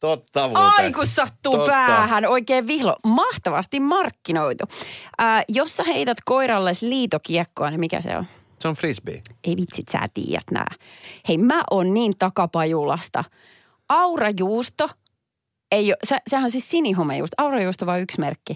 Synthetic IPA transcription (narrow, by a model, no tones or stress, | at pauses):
t̪ot̪ːɑʋɑikusːɑt̪ːuːpæːhænoikeːʋʋihlo̰mɑht̪ɑʋɑst̪immɑrkːinoit̪uʔəːjosːɑheit̪æt̪koiɾɑlːesliːt̪okiɛkːoɑnimikæ̰sḛo̰n | seonfrisbḭeiʋit̪sit̪sæ̰ːt̪ḭːjæ̰t̪næ̰ːheimæʔonniːnt̪ɑkɑpɑjulɑst̪ɑ̰ | ɑurɑjuːst̪o | eiosesehænonsissiniɦomːejṵːst̪ɑurɑjuːst̪oʋɑːyksmerkːi